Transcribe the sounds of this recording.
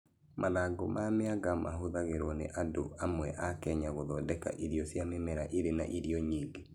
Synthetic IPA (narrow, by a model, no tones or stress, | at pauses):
mʔaðaɡomameaɡamaɦoðaɣeɾonḛʔadoamwɛʔakɛɲaɣoðɔdɛka̰ʔiɾiɔsjamemɛɾaʔiɾena̰ʔiɾiɔɲiːŋɡe